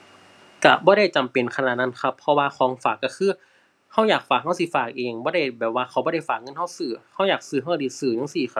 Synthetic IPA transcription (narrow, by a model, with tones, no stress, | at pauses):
ka̰˧bɔː˧˦ɾa˥˩jt͡ɕa˨˩mpe˨˩nkʰa˧naː˨˧t̪̚na˧˥˨nkʰa˧˥pʰːɔ˧waː˧kʰɔː˧˦ŋfaː˨˩kːa˧˩xʰɯː˧˥ | ha˧˩wjaː˨˩k̚faː˨˩k̚ha˧˥˩wsi˧˩faː˨˩k̚ʔeː˨ŋbɔː˧˦ɾa˥˩jbɛː˨˩p̚waː˧xʰa˧˩wbɔː˧˦ɾa˥˩jfaː˨˩k̚ŋɤ˧˥˨nhɦa˧˥˩wsɯː˧˩ha˧˩wjaː˨˩k̚sɯː˧˩ɦa˧˥˩wdiː˧˩sɯː˧˩ɲa˧˥˨ŋsiː˧˩kʰa˧